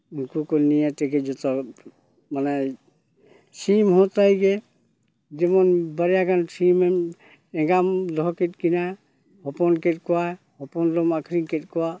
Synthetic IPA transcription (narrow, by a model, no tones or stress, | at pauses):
unkukolnijat̪ɛɡɛd͡ʒɔt̪ɔ | manɛ | simɦɔt̪ajɡɛ | d͡ʒimɔnbaɾijaɡansime | ɛɡamlɔket̚kina | hɔpɔnket̚kɔwa | hɔpɔnlɔmakʰɾiŋket̚kɔwa